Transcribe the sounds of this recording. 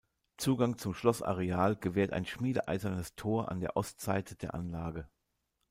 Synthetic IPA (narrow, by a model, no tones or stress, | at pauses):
t͡suːɡaŋt͡sʊmʃlɔsʔa̰ʁeaːlɡ̥əvɛːɐta̰ɪnʃmiːdə̰ʔa̰ɪzɐnəstʰoːɐʔa̰ndeːɐʔɔstz̥aɪtəd̥eːɐʔa̰nlaːɡə